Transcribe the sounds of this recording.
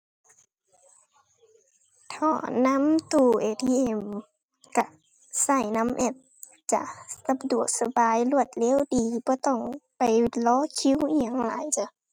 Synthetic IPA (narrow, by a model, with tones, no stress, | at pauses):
t̪ʰɔː˧˩na˧˥˨mt̪uː˧˩ʔeː˨˩t̪ʰi˧ʔe˧˩m | ka˧˩ | sa˧˩jna˧˥mʔɛ˧˩p̚ | t͡ɕa̰˧˨ʔsa˧du˨˩ək̚sa˧baː˨jlu˧˩ət̪̚leː˧˥˨wdiː˨bɔː˧˦t̪ɔ˧˩ŋpa˨jlɔː˧˥˨kʰi˧˥˨whi˧˩əŋla̰ː˨˦jt͡ɕa˧˦